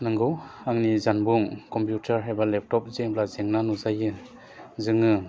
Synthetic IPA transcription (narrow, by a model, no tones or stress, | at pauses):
nɯŋɡɯwaŋnizanbuŋkɔmpjutaɾɦajbalɛp̚tɔp̚zeŋplazeŋnanuzajɯ | zɯŋɯ